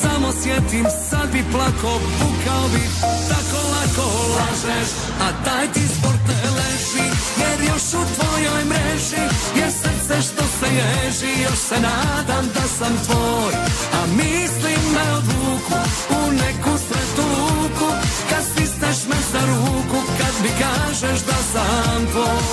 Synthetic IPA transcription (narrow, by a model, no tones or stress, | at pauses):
samosjɛt̪imsad̪biplˠakobukaobi | t̪akolakolaʒɛʃ | at̪ajt̪ispoɾt̪ɛlɛʃijɛɾjoʃut̪vojojmɾɛʒijɛɾsɛmsɛʃt̪osɛjɛʒijoʃsɛnaðɐ̃d̪ɐsɐ̃mfɔɾamislĩmbɛwðukuunɛkusɐt̪ukukɐsist̪ɐʃmɐzɐɾukukɐðbikaʒɐʒðɐsɐmfɔ